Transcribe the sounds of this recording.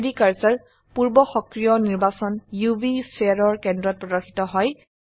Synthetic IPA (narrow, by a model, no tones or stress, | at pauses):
dikaɹsaɹ | puɹbɔxɔkɹijɔniɹbasɔnjubiseɹɔɹkɛndɹɔt̚pɹɔdɔɹxi̥tɔɦɔj